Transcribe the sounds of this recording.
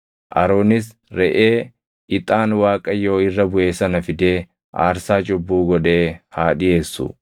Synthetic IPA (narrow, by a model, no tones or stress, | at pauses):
ʔɐ̰ɾoːnɪs | ɾɛʔeː | ɪt̪ʼaːnwaːkʼɐjo̞ːɪrːɐbʊʔe̞ːsɐnɐfɪd̪eː | ʔa̰ːɾsaːt͡ʃʼʊbːuːɡɔᶑe̞ːhaːᶑɪʔe̞ːsːʊ̰